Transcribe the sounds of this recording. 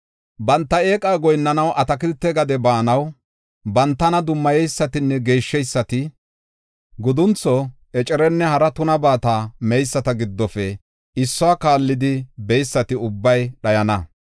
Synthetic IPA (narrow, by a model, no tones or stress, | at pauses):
bɐnt̪ːɐe̞ːkʼaːɡɔjnːɐnɐwʔɐt̪ɐkɪlt̪ːɛɡɐd̪ɛbaːnɐw | bɐnt̪ːɐnɐd̪ʊmːɐjɛjsːɐt̪ɪnːɛɡe̞ːʃːɛjsːɐt̪ɪ | ɡʊd̪ʊnt͡sːɔ | ɛt͡ʃʼɛɾɛnːɛhɐɾɐt̪ʊnɐbaːt̪aːmɛjsːɐt̪ɐɡɪd̪ːɔfɛ | ɪsːɔaːkaːlːɪd̪ɪbɛjsːɐt̪ɪʊbːɐjɗɐjɐnɐ